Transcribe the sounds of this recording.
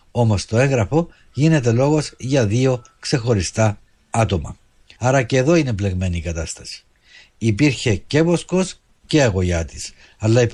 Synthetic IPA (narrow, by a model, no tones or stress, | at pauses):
o̞mo̞st̪o̞e̞ŋɣɾɐfo̞ | ʝine̞t̪̬e̞lo̞ɣo̞zʝɐðio̞kse̞xo̞ɾist̪ɐ | ɐt̪o̞mɐ̰ | ɐɾɐce̞ːðo̞ine̞ple̞ɣme̞niːkɐt̪ɐst̪ɐ̥si̥ | ipiɾçe̞ce̞vo̞sko̞s | ce̞ɐɣo̞jɐt̪i̥s | ɐlːɐip